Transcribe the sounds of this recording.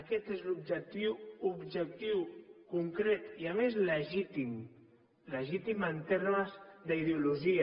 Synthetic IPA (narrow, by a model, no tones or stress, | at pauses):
akɛt̪ezlubʒək̚t̪iwubʒək̚t̪iwkuŋkɾet̪iamezləʒit̪im | ləʒit̪imənt̪erməzd̪əiðeuluʒi